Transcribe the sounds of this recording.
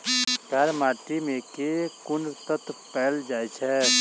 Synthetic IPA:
ɡʱəɾmaːʈimẽkekʊnt̪ət̪pɛːld͡ʒaːjt͡ʃʰɛ

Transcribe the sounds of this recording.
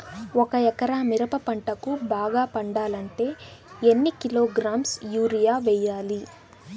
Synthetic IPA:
ɔkɐɛkɐɾaːmiɾɐpɐpɐɳʈɐkubaːɡaːpɐɳɖaːlɐɳʈe̞ːenːikilo̞ːɡɾaːmsjuːɾijaːʋɛjːaːli

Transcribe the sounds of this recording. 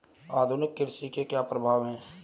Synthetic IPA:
aːd̪ʱʊnɪkːɪɾsikekjaːpɾəbʱaːʋɦɛ̃ː

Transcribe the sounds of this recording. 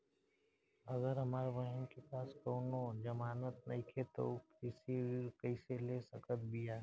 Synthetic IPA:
ɐɡəɾɦɐmaːɾeʋɐɦɪnkepaːskoːnõd͡ʒɐmaːnət̪nɐɪkʰet̪okɪseiɾkɐɪselesɐkət̪̚bijaː

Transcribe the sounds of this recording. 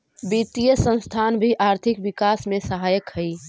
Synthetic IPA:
bit̪ijəsə̃ñst̪ʰanbʱiʔaɾt̪ʰikbikasmesəɦajəkhəi

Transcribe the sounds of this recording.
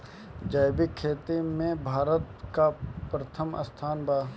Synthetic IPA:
d͡ʒaːjbɪkʰːeːt̪imẽbʱaːɾət̪̚kapɾət̪ʰəmə̰st̪ʰaːnbaː

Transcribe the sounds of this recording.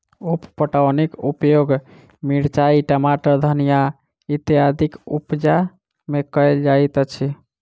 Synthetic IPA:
uppəʈawnikupjoɡ | miɽt͡ʃaiʈəmaʈəɾd̪ʱənija | it̪jad̪ikupd͡ʒa | mekəjld͡ʒajt̪ət͡ʃʰi

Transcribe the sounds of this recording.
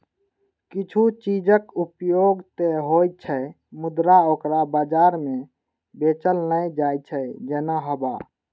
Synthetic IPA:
kit͡ʃʰut͡ʃid͡ʒəkupjoɡt̪eɦoj̚t͡ʃʰə | mʊd̪ɾaokɾabad͡ʒaɾmẽ | bet͡ʃəlnəd͡ʒajt͡ʃʰəd͡ʒenaɦəba̰

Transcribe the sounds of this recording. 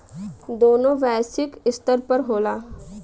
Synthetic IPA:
d̪oːnõʋɛːsɪkɪst̪əɾpəɾɦoːlaː

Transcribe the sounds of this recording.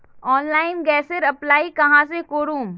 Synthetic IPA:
ɔːnlaːɪnɡɛːsəɾɐplaːikɐɦãsekoːɾuːm

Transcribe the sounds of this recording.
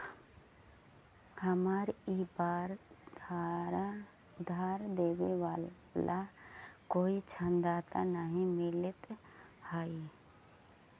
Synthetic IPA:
həmaɾibaːɾd̪aɾa | ʊd̪ʱaːɾd̪eːʋeʋa | lakoːit͡ʃʰənd̪aːt̪anaɦĩmɪlɪt̪ | hai

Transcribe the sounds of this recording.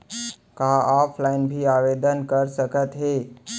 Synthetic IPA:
kaɔpʰlainbʱiaʋed̪ənkəɾsəkət̪ɦe

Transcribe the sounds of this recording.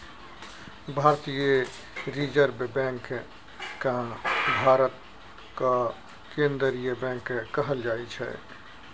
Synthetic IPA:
bʱaːɾt̪ije | ɾid͡ʒəɾbbɛ̃ːŋk | kabʱaːɾət̪̚ | ka | kẽːnd̪əɾijebɛ̃ːŋkkəɦəld͡ʒaːit͡ʃʰɛ̰

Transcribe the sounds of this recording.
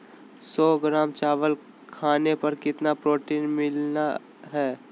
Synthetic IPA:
sɔːɡɾaːmt͡ʃaːʋəl | kʰaːnepɐɾkɪt̪napɾoːʈiːnmɪlna | ɦɛː

